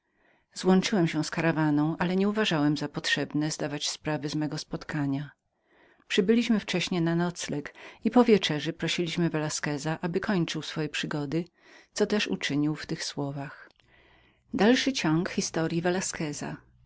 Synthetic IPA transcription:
zwɔnt͡ʂɘwɛmɕɛ̃skaɾavanɔ̃w̃ʔalɛɲɛuvaʐawɛmzapɔtʂɛbnɛzd̪avat͡ɕspɾavɘzmɛɡɔspɔt̪kʰaɲa | pʂɘbɘlʲiɕmɘft͡ʂɛɕɲɛnanɔt̪slɛkipɔvʲjɛt͡ʂɛʐɛpɾɔɕilʲiɕmɘvɛlaskɛzaʔabɘkɔɲt͡ʂɘwsfɔjɛpʂɘɡɔd̪ɘ | t̪sɔt̪ɛʂṵt͡ʂɘɲiwft̪ɘxswɔvax | d̪alʂɘt͡ɕɔŋkxʲist̪ɔɾʲjivɛlaskɛza̰

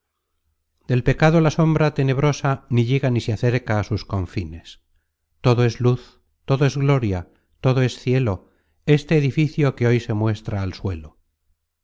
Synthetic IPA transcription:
d̪e̞lpe̞kað̞olaso̞mbɾat̪e̞ne̞β̞ɾo̞saniʎeɣaniseaθe̞ɾkaːsusko̞ɱfine̞s | t̪o̞ðoe̞zluθ | t̪o̞ðoe̞zɣlo̞ɾja | t̪o̞ðo̞e̞sθje̞lo̞ | e̞st̪eːðifiθjo̞ke̞o̞jse̞mwe̞st̪ɾaːlswe̞lo

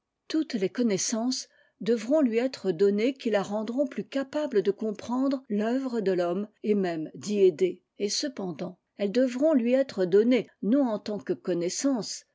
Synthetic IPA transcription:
t̪ut̪lekɔnɛsɑ̃s | d̪əvʁɔ̃lɥiɛt̪χəd̪ɔnekʲilaʁɑ̃d̪ʁɔ̃plykapabləd̪əkɔ̃pχɑ̃d̪ʁlœvʁəd̪əlɔmemɛmd̪ied̪e | esəpɑ̃d̪ɑ̃ | ɛld̪əvʁɔ̃lɥiɛt̪χəd̪ɔnenɔ̃ɑ̃t̪ɑ̃kəkɔnɛsɑ̃s

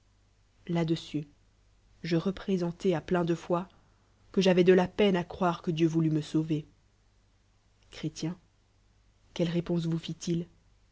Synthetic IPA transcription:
lad̪əsy | ʒəʁəpχezɑ̃t̪ɛaplɛ̃d̪əfwa | kəʒavɛd̪əlapɛnakχwaʁkəd̪jøvulyməsove | kχet̪jɛ̃ | kʲɛlʁepɔ̃s̬vufit̪il

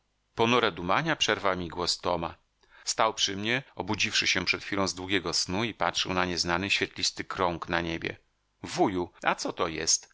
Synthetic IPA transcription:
pɔnuɾɛd̪umaɲapʂɛɾvawmʲiɡwɔst̪ɔma | st̪awpʂɘmɲɛɔbud͡ʑifʂɘɕɛpʂɛt̪fʲilɔ̃w̃zd̪wuɡʲɛɡɔsnuipatʂɘwnaɲɛznanɘɕfʲjɛt̪lʲist̪ɘkɾɔŋknaɲebʲjɛ̰ | vujua̰t̪sɔt̪ɔjɛ̰st̪

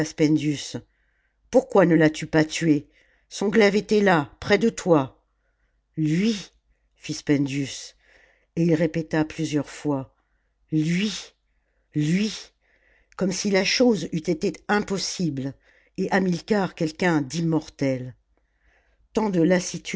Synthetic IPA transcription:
spɛ̃nd̪ys | puʁkwanəlat̪ypat̪ɥe | sɔ̃ɡlɛvet̪ɛlapχɛd̪ət̪wa | lɥi | fispɛ̃nd̪jys | eilʁepet̪aplyzjœʁfwa | lɥi | lɥi | kɔmsilaʃozyt̪et̪eɛ̃pɔsibl | eʔamilkaʁkʲɛlkʲɛ̃d̪imɔʁt̪ɛl | t̪ɑ̃d̪əlasit̪

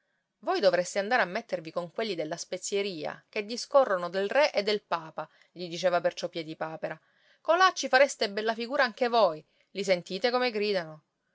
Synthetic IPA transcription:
vojd̪ovɾest̪eand̪aɾeamːet̪ːervikoŋkwelːid̪elːaspet̪sːjeɾiːa̰k̟ed̪ːiskorːonod̪elrɛʔed̪ːelpaːpa | ʎid̪it͡ʃeːvapert͡ʃɔpːjɛːd̪ipaːpeɾa | kolːat͡ʃːifaɾest̪ebɛlːafiɡuːɾaaŋkevoj | lisent̪iːt̪ekomeɡɾiːd̪ano

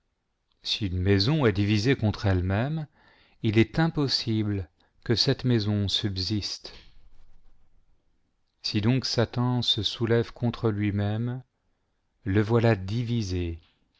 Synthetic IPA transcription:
siynmɛzɔ̃ɛd̪ivizekɔ̃t̪χɛlmɛm | ilɛt̪ɛ̃pɔsibl | kəsɛt̪mɛzɔ̃sybzist̪ | sid̪ɔ̃ksat̪ɑ̃səsulɛvkʰɔ̃t̪χəlɥimɛm | ləvwalad̪ivize

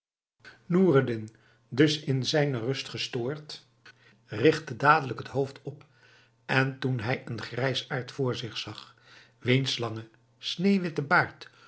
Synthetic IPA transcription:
nuːrədɪn | dɵsɪnzɛjnərɵstχəstʊːɹt | rɪχtədaːdələkɦətɦowftʰɔp | ʔɛntunɦɛjənχrɛjsaːɹtfʊːɹzɪχsɑχ | ʋejnslɑŋə | snejʋɪtəbaːɹt

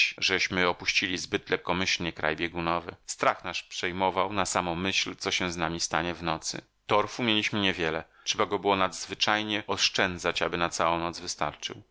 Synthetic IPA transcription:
ʐɛɕmɘɔpuɕt͡ɕilʲizbɘt̪lɛp̚kɔmɘɕlɲɛkɾa̰jbʲjeɡunɔvɘ̰st̪ɾaxnaʂpʂɛjmɔvawnasamɔ̃mɘɕlt̪sɔɕɛ̃znamʲist̪a̰ɲɛvnɔt̪sɘ̰ | t̪ɔɾfumʲjelʲiɕmɘɲɛvʲjɛlɛʂɛbaɡɔbɘwɔnad̪zvɘt͡ʂajɲɛɔʂt͡ʂɛnd̪zat͡ɕabɘnat̪sawɔ̃w̃nɔd̪zvɘst̪a̰ɾt͡ʂɘ̰w

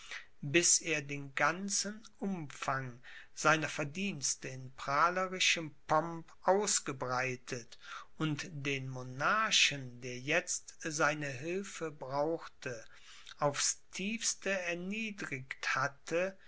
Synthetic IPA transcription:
bɪseːɐdeːnɡant͡sənʔʊmfaŋ | z̥aɪnɐfɛɐdiːnstəɪnpʁ̥aːləʁɪʃəmpʰɔmpʔaʊsɡ̥əbʁaɪtʰətʊntd̥eːnmonaɐʃəndeːɐjɛt͡stzaɪnəɦɪlfəbʁaʊxtʰə | ʔaʊfstʰiːfstəɛɐniːdʁɪkthatʰə

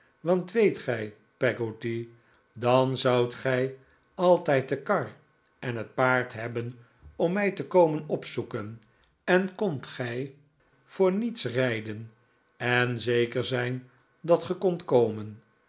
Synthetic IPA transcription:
ʋɑntʋejtχɛj | pɛɡoti | dɑnzɑwtχɛj | ɑlˠtɛjt̚dəkɑɹ | ʔɛnɦət̚paːɹtɦɛbən | ɔmːɛjtəkowmənɔpsukən | ɛnkɔntχɛj | v̥ʊːɹnitsrɛjdən | ɛnzejkəɹzɛjn | dɑtχəkɔntkowmən

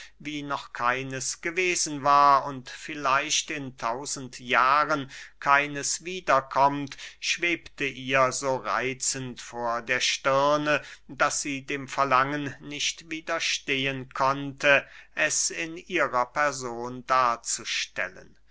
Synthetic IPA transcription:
viːnɔχkʰaɪnəsɡ̥əveːzn̩vaːɐʊntfɪlaɪʃtɪntʰaʊzən̩tjaːʁənkʰaɪnəsv̥iːdɐkʰɔmtʃv̥eːptəʔiːɐzoːʁa̰ɪt͡səntfoːɐdeːɐʃtɪɐnəd̥asz̥iːdeːmfɛɐlaŋənnɪçtv̥iːdɐʃteːənkʰɔntʰəʔɛsɪnʔiːʁɐpɛɐzoːndaːɐt͡suʃtɛ̰lə̰n

